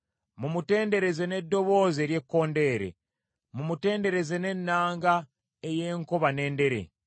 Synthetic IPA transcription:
mumute̞ːnde̞ɾe̞ze̞ne̞dːo̞βo̞ːzeːɾje̞kːo̞ːnde̞ːɾe̞̰ | mumute̞ːnde̞ɾe̞ze̞ne̞nːaːŋɡa | eje̞ːŋkoβane̞ːnde̞ɾe̞̰

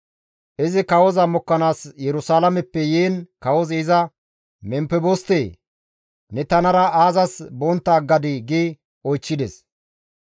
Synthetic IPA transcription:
ʔɪzɪkɐwɔzɐmɔkːɐnaːsjɛɾʊsaːlɐmɛpːɛjeːnkɐwɔzɪzɐ | mɛmpɛbost̪eː | nɛt̪ɐnɐɾɐaːzɐsbɔnt̪ːaːɡɐd̪ɪɡi | ɔjt͡ʃːɪd̪ɛs

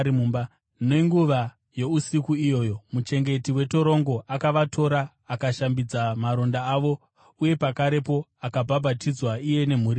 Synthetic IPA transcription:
iumba | noiŋɡuʋa | jo̞usikuijo̞ːjo̞mut͡ʃe̞ŋɡe̞tiwe̞to̞ɾo̞ŋɡo̞ʔakaʋatʰo̞ɾaː | kaʃambid͡zamaɾo̞ndaːʋo̞ | uje̞pakaɾe̞po̞akabʱabʱatid͡zwaije̞ne̞m̤uɾi

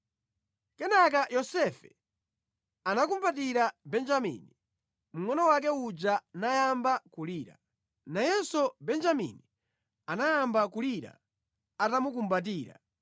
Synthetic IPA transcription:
kɛnak̬ajɔsɛfɛ | anak̬umbat̬iɾabɛnd͡ʒamḭni | m̩ŋɔnɔwak̬ɛud͡ʒanajambakuliːɾa̰ | najɛsɔbɛnd͡ʒamḭni | anajambakuliɾa̰ | atamuk̬umbat̬iːɾa̰

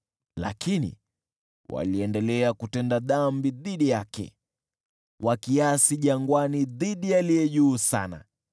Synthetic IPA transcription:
la̰kinḭ | wʔa̰liɛndɛlɛakutɛndaðambiðiɗijakɛ̰ | wʔakiasiʄaŋɡwaniðiɗijalijɛʄuːsa̰na̰

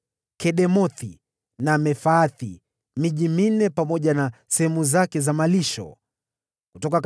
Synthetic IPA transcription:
kɛɗɛmɔθi | namɛfaːθḭ | miʄimin̩ɛpamɔʄanasɛhɛmuzakɛzamaliʃɔ̰ | kutɔkak

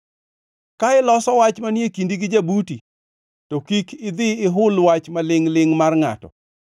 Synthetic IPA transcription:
kaɪlɔsɔwat͡ʃmanjekindiɡɪd͡ʒabuti | tokikʰɪd̪ɪɪɦʊlwat͡ʃmalɪŋlɪŋmarŋa̰tɔ̰

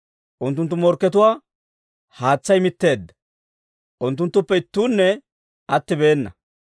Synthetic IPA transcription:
ʔʊnt̪ːʊnt̪ːʊmɔɾkːɛt̪ʊwaː | haːt͡sːɐjmɪt̪ːe̞ːd̪ːɐ̥ | ʔʊnt̪ːʊnt̪ːʊpːɛɪt̪ːuːnːɛ | ʔɐt̪ːɪbe̞ːnːɐ̰

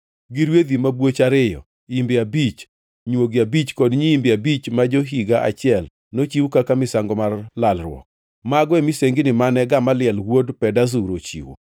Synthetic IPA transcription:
ɡiɾwed̪imabwot͡ʃaɾɪjɔ̰ | imbɪabit͡ʃ | ɲwoɡiabit͡ʃkɔdɲiimbɪabit͡ʃmad͡ʒoɦiɡaʔa̰t͡ʃɪɛl | not͡ʃiwukakamɪsaŋɡɔmarlalrwɔ̰k̚ | maɡɔɛmiseŋɡɪnɪmanɛɡamalɪɛlwodpɛdazuɾot͡ʃḭwṵ

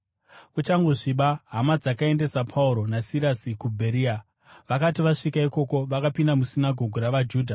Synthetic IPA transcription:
ut͡ʃaŋɡo̞ʐiɓaɦamad͡zakae̞nde̞sapʰauɾo̞nasiɾasikubʱe̞ɾiːa | ʋakatiʋaʂikaiko̞ko̞ʋakapindamusinaɡʱo̞ɡʱuɾaʋad͡ʒuːdʱa

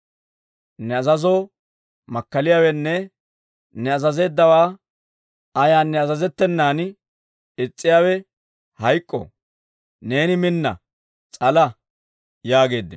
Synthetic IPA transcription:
nɛɐzɐzoː | mɐkːɐlɪjaːwɛnːɛ | nɛɐzɐze̞ːd̪ːɐwaː | ɐjaːnːɛɐzɐzɛt̪ːɛnːaːn | ɪt͡sʼːɪjaːwɛ | hɐjkʼːɔ̰ | ne̞ːnɪmɪnːɐ̰ | t͡sʼɐlɐ | jaːɡe̞ːd̪ːɪ

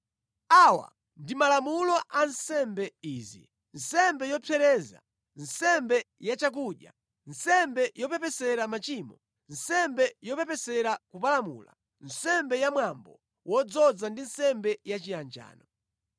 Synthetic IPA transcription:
awa̰ | ndimalamulɔʔansɛmbɛiːzḭ | n̩sɛmbɛjɔpʰɛɾɛːza̰ | n̩sɛmbɛ | jat͡ʃak̬uɗja̰ | n̩sɛmbɛjɔpɛpɛsɛɾamat͡ʃiːmɔ | n̩sɛmbɛjɔpɛpɛsɛɾakupalamṵːla̰ | n̩sɛmbɛjamwambɔ | wɔd͡zɔd͡zandinsɛmbɛjat͡ʃijand͡ʒa̰ːnɔ

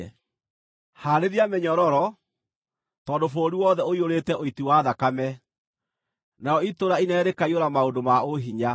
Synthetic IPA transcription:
haɾeðiameɲɔɾɔɾɔ | tɔːndofoːɾiwɔðɛoioɾetɛʔoitiwaðakamɛ | najɔitoɾainɛːɾekaioɾamaodomaoɦiɲa

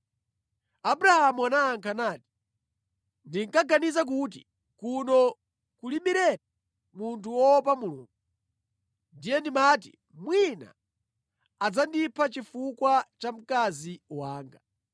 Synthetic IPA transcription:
abuɾahamuanaːŋkʰanaːti̥ | ndiŋkaɡanizak̬ut̬ḭ | kunɔ | kuliɓiɾɛɾa | muntʰuwɔpamulṵːŋɡ̚u | ndijɛndimatḭ | mwina̰ | ad͡zandipʰat͡ʃifukwat͡ʃam̩kaziwaːŋɡa

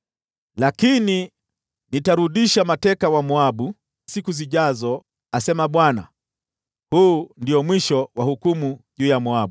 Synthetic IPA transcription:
lakini | nitaɾuɗiʃamatɛkawamuaɓu | sikuziʄazɔ | asɛmaɓwana̰ | huːndiɔmwiʃɔwahukumuʄuːjamuaɓu

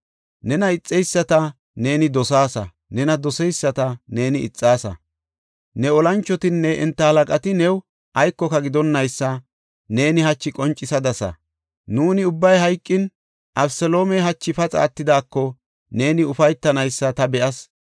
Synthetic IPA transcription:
nɛnɐɪt͡sʼːɛjsːɐt̪ɐ | ne̞ːnɪd̪ɔsaːsɐ̰ | nɛnɐd̪ɔsɛjsːɐt̪ɐne̞ːnɪɪ̰t͡sʼːaːsɐ̰ | nɛɔlɐnt͡ʃːɔt̪ɪnːɛʔɪ̰nt̪ːɐhɐlɐkʼɐt̪ɪnɛw | ʔɐjkːɔkɐɡɪd̪ɔnːɐjsːɐ | ne̞ːnɪhɐt͡ʃːɪkʼɔnt͡ʃʼːɪsɐd̪ɐsɐ̰ | nuːnɪʊbːɐjɦɐjkʼːɪn | ʔɐbsɛlo̞ːmɛɦɐt͡ʃːɪfɐt͡sʼa̰ːt̪ːɪd̪aːkːɔ | ne̞ːnɪʊfɐjt̪ːɐnɐjsːɐt̪ɐbɛʔɐs

